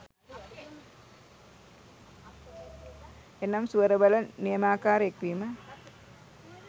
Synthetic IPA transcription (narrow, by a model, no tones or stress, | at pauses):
enːɐmsuəɾəbɐlɐniəmaːkaːɾekʋiːmə